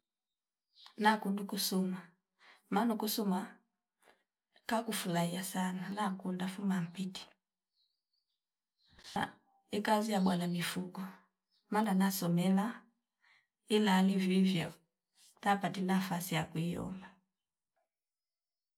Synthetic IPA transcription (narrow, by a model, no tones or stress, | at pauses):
nakundukusuma | manukusuma | kakufulaiasananakundafumam̩piti̥ | ikazijaɓwanamifukɔ | mananasɔmɛla | ilaːlivivjɔ | tapatinafasijakuijɔ̰mba